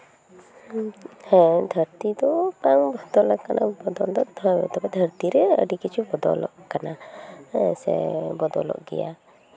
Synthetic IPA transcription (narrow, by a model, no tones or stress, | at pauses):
hɛ̃d̪ʱəɾt̪id̪ɔpaŋbɔd̪ɔlɔʔkanabɔd̪ɔld̪ɔd̪ʰʱɔbɛ̰t̪ɔbɛd̪ʱəɾt̪iɾɛə̰ɖikit͡ʃʰubɔd̪ɔ̰lɔ̰ʔkana | sɛ̰bɔd̪ɔ̰lɔ̰ʔɡɛ̰ja